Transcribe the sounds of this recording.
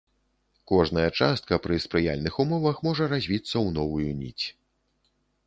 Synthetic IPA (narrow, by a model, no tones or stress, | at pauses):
kɔʐnɐjɐt͡ʂast̪̚kɐpɾɨspɾɨja̰lʲnɨxumɔvɐxmɔʐɐɾazʲvʲit̪sːɐwnɔvujunʲḭt͡sʲ